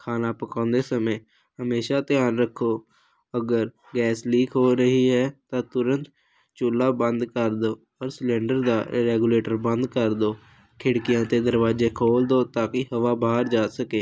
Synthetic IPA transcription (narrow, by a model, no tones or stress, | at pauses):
kʰaːnaːpəkãːnd̪eːsəmẽː | həmeːʃaːt̪ɪjaːnɾəkʰːoː | əɡəɾ | ɡɛːsliːkʰɦoːɾəɦiːɦɛːt̪ãːt̪ʊɾə̃nt̪ | t͡ʃʊlːaːbənd̪kəɾd̪oː | ɔːɾslɛ̃ːɳɖəɾd̪aːɾɛːɡuːleːʈəɾbə̃nd̪kəɾd̪oː | kʰɪɽkɪjãːt̪eːd̪əɾʋaːzeːkʰoːld̪oːt̪aːkɪhəʋaːbaːɾd͡ʒaːsəkeː